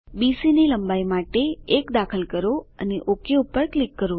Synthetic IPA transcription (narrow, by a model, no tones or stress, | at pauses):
bisiniləmbajmaʈeːkd̪akʰəlkəɾoəneʔokeupəɾklikːəɾo